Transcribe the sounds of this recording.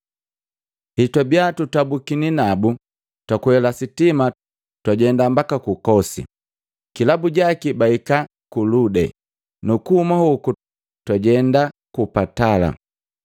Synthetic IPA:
hitabiatutabukininabu | twakuhɛlasitima | twaɟɛndambakakukɔsḭ | kilabuɟakibaika | kuludɛ̰ | nukuhumahuku | twaɟɛndakupatala̰

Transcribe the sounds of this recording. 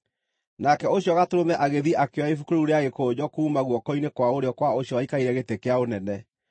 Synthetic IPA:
nakɛoɕijɔɣatoɾomɛʔaɣeðiʔakewaifukoɾuɾeaɣekoːd͡ʑɔkuːmaɣwɔkɔinekwaoɾeɔkwaoɕjɔwaikaiɾɛɣetekeaonɛnɛ

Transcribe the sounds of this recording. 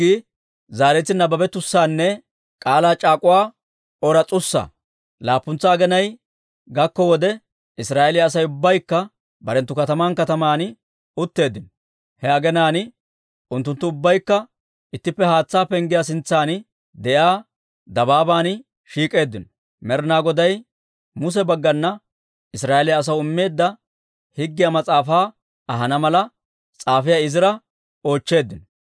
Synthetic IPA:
i | zaːɾɛt̪ːɪnɐbɐbɛt̪ʊsːaːnːɛ | kʼaːlaːt͡ʃʼaːkʼʊwaː | ɔɾɐt͡sʼʊsːa̰ | laːpːʊnt͡sːaːɡɛnɐj | ɡɐkːɔwɔd̪ɛ | ɪsɾaːɛlɪjaːs̬ɐjʊbːɐjkːɐ | bɐɾɛnt̪ːʊkɐt̪ɐmaːnkɐt̪ɐmaːn | ʊt̪ːe̞ːd̪ːɪnɔ | hɛɐɡɛnaːn | ʔʊnt̪ːʊnt̪ːʊʊbːɐjkːɐ | ɪt̪ːɪpːɛhaːt͡sːaːpɛŋɡɪjas̬ɪnt͡sːaːnɪ | d̪ɛjaː | d̪ɐbaːbaːn | ʃiːkʼe̞ːd̪ːɪnɔ | mɛɾnaːɡɔd̪ɐj | mʊs̬ɛbɐɡːɐnːɐ | ɪsɾaːɛlɪjːs̬ɐwʊɪmːe̞ːd̪ːɐ | hɪɡːɪjɐmɐt͡sʼaːfaː | ɐɦɐnɐmɐlɐ | t͡sʼaːfɪjaɪzɪɾɐ | o̞ːt͡ʃːe̞ːd̪ːɪnɔ

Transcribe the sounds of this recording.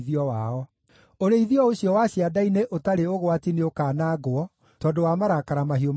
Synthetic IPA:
ðiɔwaɔ | oɾeiðiɔoɕjɔwaɕiadaineʔotaɾeoɣwatineokaːnaɡoɔ | tɔːdowamaɾakaɾamaɦiom

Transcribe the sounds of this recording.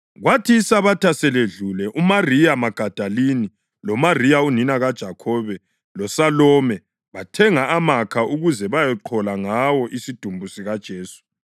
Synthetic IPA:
ɣwatʰiːsaβatʰasɛleɮulɛʔumarijamaɡ̥ʱad̥ʱalini | lɔmarijauninaɣad̥ʒ̥ʱakʰɔβɛ | lɔsalɔmɛ | βatʰɛŋaamakʰaʔuɣuzɛβajɛǃʰɔlaŋawɔʔisid̥ʱumbʱusiɣad̥ʒ̥ʱeːsu̥

